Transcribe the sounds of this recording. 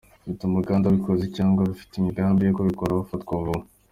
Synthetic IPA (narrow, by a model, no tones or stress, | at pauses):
βitumuɡaːndaβikozicaːŋɡwaβifi̥temiɡaːmbijekoβikoɾaβafatkoβu